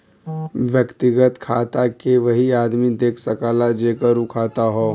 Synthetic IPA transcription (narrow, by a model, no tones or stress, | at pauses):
ʋjəkt̪ɪɡət̪kʰaːt̪akeʋɐɦiaːd̪mid̪eːkʰsɐkaːlad͡ʒeːkəɾukʰaːt̪aɦoː